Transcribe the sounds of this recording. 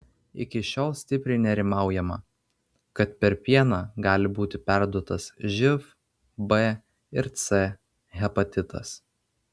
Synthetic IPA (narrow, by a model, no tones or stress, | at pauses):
ɪ̰kʲɪʃʲoːlˠsʲt̪ʲɪpʲɾʲɛɪnʲɛɾʲɪmɑˑʊjɛmɐ | kɐt̪pʲɛɾpʲiɛnɑɡɑːlʲɪbuːt̪ʲɪpʲæˑɾd̪uɔt̪ɐsʒʲɪf | bɛ | ɪɾt̪sʲɛ | ɣʲɛpɐt̪ʲɪt̪ɐ̰s